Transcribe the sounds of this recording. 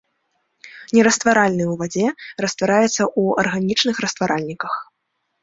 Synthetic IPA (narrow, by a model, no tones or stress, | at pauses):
nʲɛɾɐst̪vaɾalʲnɨjwvad͡zʲɛrɐst̪vaɾajɛt̪sːɐʔuɐ̰rɣanʲit͡ʂnɨxɾɐst̪vaɾalʲnʲikɐx